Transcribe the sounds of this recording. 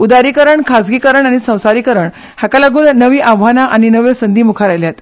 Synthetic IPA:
ud̪aɾiːkəɾəɳkʰasɡiːkəɾəɳaɽ̃isə̃w̃saɾiːkəɾəɳ | hakalaɡuːnːəʋiːʔaʋʋanaʔañinəʋesənd̪ʱiːmukʰaɾajljat̪

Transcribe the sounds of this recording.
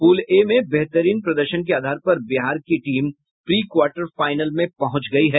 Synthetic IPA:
fuːlemẽbɛɦt̪əɾiːnpɾɐd̪əɾʃənk̬eaːd̪ʱaːɾpɐɾbɪɦaːɾkiʈiːm | pɾiːkwaːɾʈəɾfaːɪnəlmẽpɐɦʊ̃t͡ʃɡɐiɦɛː

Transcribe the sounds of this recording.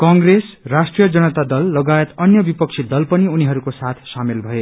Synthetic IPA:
kʌŋɡresrasʈrijʌd͡zʌnʌt̪ad̪ʌlːʌɡajet̪ʌnjʌbipʌk̚t͡sʰid̪ʌlpʌniuniɦʌɾukosat̪ʰsamelbʱʌe

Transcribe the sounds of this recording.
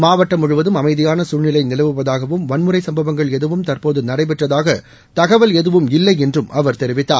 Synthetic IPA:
maːʋɐʈːɐmʊɻɯʋɐðɯmɐmɐɪðɪjaːnɐsuːɻnɪlɐɪnɪlɐʋɯpːɐðaːɣɐʋɯmʋɐnmɯrɐɪsɐmbɐʋɐŋɡɐɭɛðɯʋɯmt̪ɐrpoːðɯnɐɽɐɪp̬ɛʈrɐðaːɣɐ | t̪ɐɣɐʋɐlɛðɯʋɯmɪlːɐɪɛndrɯmʔɐʋɐɾt̪ɛɾɪʋɪt̪ːaːɾ

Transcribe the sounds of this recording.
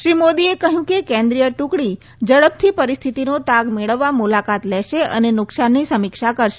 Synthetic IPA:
ʃɾimod̪iekəɦjũkekɛ̃nd̪ɾijəʈũkɽi | d͡ʒəɭəp̚t̪ʰipəɾist̪ʰit̪inot̪aɡmeɭəʋːamulakat̪lɛʃeə̰nenʊksanːisəmikʃakəɾʃe

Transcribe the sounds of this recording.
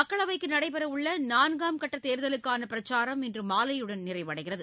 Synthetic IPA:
mɐkːɐɭɐʋɐɪkːɯnɐɽɐɪpɐɾɐʊɭːɐnaːnɡaːmkɐʈːɐt̪ːeːɾðɐlɯkːaːnɐpɪɾɐt͡ʃːaːɾɐmɪndrɯmaːlɐjɯɽɐnnɪrɐɪʋɐɽɐɪɣɪrɐðɯ

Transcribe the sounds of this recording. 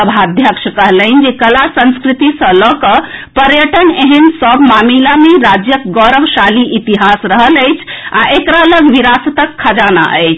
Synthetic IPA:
əbʱad̪ʱjəkʃkəɦləɪnd͡ʒekəlasə̃nskɾit̪isə̃lɔkəpəɾjəʈəneɦənsəbmamilameɾad͡ʒjəkɡɔɾəʋʃaliʔit̪iɦasɾəɦələjt͡ʃʰaʔekɾaləɡʋiɾasət̪əkʰːad͡ʒana̰ʔə̰jt͡ʃʰ

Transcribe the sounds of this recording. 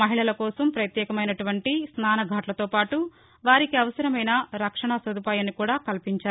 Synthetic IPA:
ɐɦiɭɐlɐkɔːsɐmpɾɐt̪jɛːkɐmɐjnɐʈuʋɐɳʈisnaːnɐɡʱaːʈlɐt̪oːpaːʈu | ʋaːɾikiɐʋɐsɐɾɐmɐjnɐɾɐkʂɐɳɐsɐd̪ʱupaːjɐnikuːɽaːkɐlpiɲt͡ʃaːɾu

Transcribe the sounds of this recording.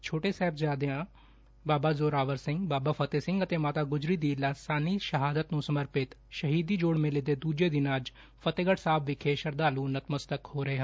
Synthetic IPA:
t͡ʃʰoːʈesɛːbd͡ʒaːd̪eãː | baːbaːzoːɾaːʋəɾsɪ̃ŋɡbaːbaːfʰət̪eːsɪ̃ŋɡət̪eːmaːt̪aːɡʊd͡ʒɾiːd̪iːlaːsaːniʃəɦaːd̪ət̪nũːsəməɾpɪt̪ʃɐɦiːd̪iːd͡ʒoːɽmẽleːd̪eːd̪uːd͡ʒed̪ɪnaːd͡ʒ | fʰət̪eːɡəʈsaːbʰʋɪkʰeʃəɾd̪aːluːnət̪məst̪əkhoːɾɐɦeːɦɐ̃

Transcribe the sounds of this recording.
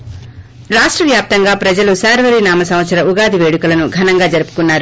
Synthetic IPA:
ɾaːʂʈɾɐʋjaːp̚t̪ɐŋɡaːpɾɐd͡ʒɐlusaːɾʋɐɾinaːmɐsɐmʋɐt̪sɐɾɐuɡaːd̪ʱiʋeːɽukɐlɐnuɡʱɐnɐŋɡaːd͡ʒɐɾupu̥kunːaːɾu

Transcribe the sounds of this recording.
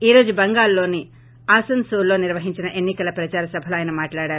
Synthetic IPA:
iːɾo̞ːd͡ʒubɐŋɡaːlːo̞ːni | aːsɐnsuːlːo̞ːniɾʋɐɦiɲt͡ʃinɐʔenːikɐlɐpɾɐt͡ʃaːɾɐsɐbʱɐluaːjnɐmaːʈlaːɽaːɾu

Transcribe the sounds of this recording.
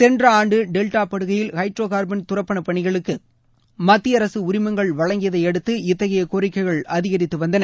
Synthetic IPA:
sɛndrɐaːɳɖɯɖɛlʈaːpɐɽɯɣɐjɪlhɐɪʈrɾoːɣaːɾbɐnt̪ʊrɐpːɐɳɐpːɐɳɪɣɐɭɯkːɯ | mɐt̪ːɪjɐɾɐsɯʊɾɪmɐŋɡɐɭʋɐɭɐŋɡɪjɐðɐɪɛɽɯt̪ːɯɪt̪ːɐɣɐjɐkoːɾɪkːɐɪɣɐɭɐðɪɣɐɾɪt̪ːɯʋɐnd̪ɐnɐ

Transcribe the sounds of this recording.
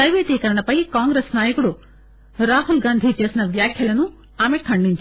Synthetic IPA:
ɐʋet̪ikɐɾɳ̃ɐpɐɦikãːŋɡɾeːsnaːjɐkɽo | ɾaːɦulɡãːnd̪ʱid͡ʒiɐsnɐʋjaːkʰjɐlɐnũ | aːmẽkʰɐ̃ɳɖint͡ʃʰ

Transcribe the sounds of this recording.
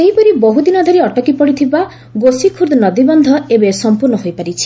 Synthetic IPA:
eɦipɔɾiboɦud̪inɔd̪ʱɔɾiɔʈɔkipɔɽit̪ʰiba | ɡosikʰuɾd̪nɔd̪ibɔnd̪ʱɔebesɔmpuɾnɔɦojpaɾit͡ʃʰi̥

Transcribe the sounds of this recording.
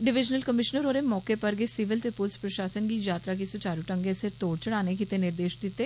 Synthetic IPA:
ɖɪʋɪd͡ʒnəlkəmɪʃnəɾoːɾemɔːkepəɾɡesɪʋɪlt̪epʊlspɾəʃaːsənɡid͡ʒaːt̪ɾakisʊt͡ʃaːɾuʈə̃ŋɡeset̪oːɽt͡ʃəɽaːnek̬it̪enɪɾd̪eːʃd̪ɪt̪ːeː

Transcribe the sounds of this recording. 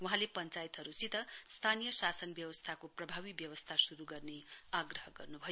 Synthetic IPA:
wuɦãlepʌnt͡sajit̪ɦʌɾusit̪ʌst̪ʰanijʌsasʌnbjʌwʌst̪ʰakoprʌbʱawibjʌwʌst̪ʰasuɾuɡʌrneaɡrʌɦʌɡʌrnubʱʌj

